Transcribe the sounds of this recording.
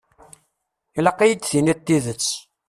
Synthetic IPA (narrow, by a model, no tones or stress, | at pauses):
ilɑqːijəd̪θinit̪ːiðət͡sː